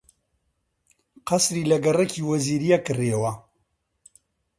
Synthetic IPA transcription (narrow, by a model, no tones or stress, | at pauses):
qɐsɾiːlɐɡɐrɛkʰiːwɐziːɾijakɨriewɐ